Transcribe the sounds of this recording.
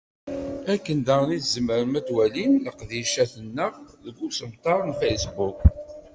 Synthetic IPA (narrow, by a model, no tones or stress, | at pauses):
ækːənd̪ɑɾˤniθzəmːəɾmæt̪ːwælinləqðiʃæθənːəʁðəɡusəmt̪ˤɑɾˤnfejsbuk